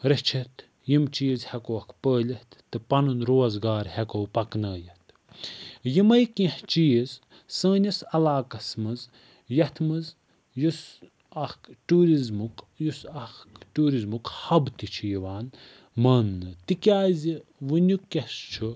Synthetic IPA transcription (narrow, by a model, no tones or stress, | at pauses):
ɾɐt͡ʃʰɐt̪ | jimt͡ʃiːzhekoɐkʰpəːlʲɐht̪ːɨpɐnɨnɾoːzɡaːɾhekowpɐknɐːjɐht̪ʰ | jimɐjkĩht͡ʃiːz | sə̃ːnʲɐsɐlaːkɐsmɨz | jɐht̪ʰmɨz | jus | ɐxkʈuːɾizmuk | jusɐxkʈuːɾizmukhɐbt̪it͡ʃʰijiʋaːn | mɐːnːɨt̪ikʲaːziʋɨnʲukːɐst͡ʃʰu